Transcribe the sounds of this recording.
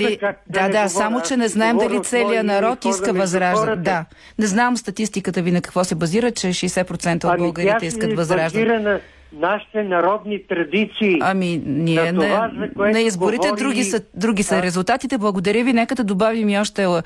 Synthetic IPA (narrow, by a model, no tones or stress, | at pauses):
d̪ad̪asamot͡ʃɛnɛznaɛmd̪ɐlit̪sɛlijənɐɾɔt̪iskəvɐzɾaʒd̪əd̪a | nɛznamst̪ɐt̪ist̪ikət̪əvinɐkɐ̥kvɔsɛbɐziɾət͡ʃɛʃɛjsɛpɾot̪sɛnt̪əːdbɐlˠɡəɾiɛiskəvɐzɾaʒd̪ɾənɐ | naʃi̥t̪ɛnɐɾɔd̪nit̪ɾɐd̪it̪siːɐminiɛnɐknɐizboɾit̪ɛd̪ɾuɡʲisəd̪ɾuɡ̟ʲisəɾɛzulˠt̪at̪it̪ɛblˠɐɡod̪ɐɾʲəvinɛkəd̪ɐd̪obavimiɔʃt̪ɛ